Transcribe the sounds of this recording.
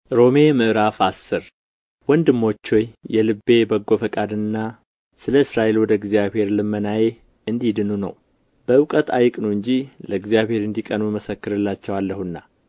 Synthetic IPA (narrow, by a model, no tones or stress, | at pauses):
ɾo̞me̞mɨʔɾafasːɨɾ | wɔnd̪ɨmːo̞t͡ʃːo̞jjɛlɨbːe̞bəɡo̞fəkʼad̪ɨnːa | sɨləɨsɾaʔe̞lwɔd̪əɡzijaβhe̞ɾlɨmːənaje | ɨnd̪id̪ɨnunə̰w | bəɨwkʼət̪ʰajɪkʼnoɨɲd͡ʒiləɨɡzjaβhe̞ɾɨnd̪ikʼənuməsəkːɨɾɨlːat͡ʃːɛwalːəhunːa